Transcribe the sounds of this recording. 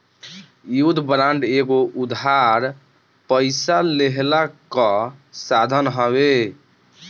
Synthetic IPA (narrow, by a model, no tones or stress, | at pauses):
jud̪ʱbɾaɳɖeɡoʔud̪ʱaɾ | pəɪsaleɦlakə̃sad̪ʱənɦəβe